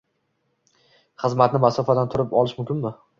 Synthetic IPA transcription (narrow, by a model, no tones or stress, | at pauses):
χɨzmat̪nɪmasɒfad̪ant̪ʰʊɾɪpɒlˠɪʃmʊmkʲɪnmɪ